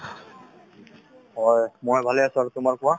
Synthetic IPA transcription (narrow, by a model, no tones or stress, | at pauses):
ɦɔjmojbʱalɛasuaɹut̪ʊmaɹkuwa